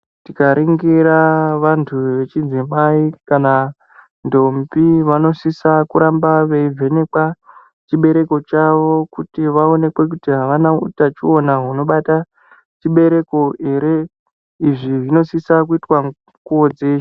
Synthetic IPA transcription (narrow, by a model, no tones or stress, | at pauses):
tikaɾʔiŋɡiɾaʋantʰuʋe̞t͡ʃid͡zimaikana | ndo̞mbiʋano̞sisakuɾambaʋeivʱe̞ne̞kwa | t͡ʃiɓe̞ɾe̞ko̞t͡ʃaʋo̞kutiʋao̞ne̞kwe̞k̬utiɦaʋanaṵtat͡ʃio̞naɦuno̞ɓata | t͡ʃiɓe̞ɾe̞ko̞e̞ɾe | iʐiʐino̞sisak̬uitwa | kuod͡zeʃa